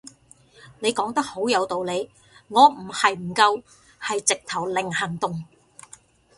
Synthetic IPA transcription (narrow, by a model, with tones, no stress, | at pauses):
ne˨˧jkɔː˨˥ŋt̪ɐ˥k̚ho˨˥wjɐ˨˧wt̪o˨wle˨˧j | ŋɔː˨˧m̩˨˩hɐ˨jm̩˨˩kɐ˧w | hɐ˨jt͡sɪ˨k̚t̪ʰɐ˨˩wlɪ˨˩ŋhɐ˨˩ŋt̪ʊ˨ŋ